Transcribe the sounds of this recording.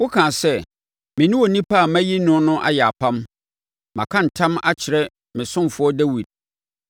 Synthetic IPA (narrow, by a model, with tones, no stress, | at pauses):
wʊ˦kʰãː˨sɛ˦˨ | mɪ̃˨nʊ̃˦wɔ˨nĩ˦pʰa˦˨mæ̃˦ji˦nʊ̃˦nʊ̃˦ʔa̰˦jɛ˨a˨pʰã˦m | mã̰˨kʰã˦n̩˨tʰã˦ma̰˦t͡ɕʰɪ˨ɾɛ˦ | mɪ̃˨sʊ̃˦mfʊ˨˦ɔ˦dɛ˦wi˨d̥̚